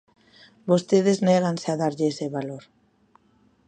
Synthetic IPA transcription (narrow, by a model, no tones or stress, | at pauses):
bost̪eð̞ezneɣ̞anseaðaɾʎeseβaloɾ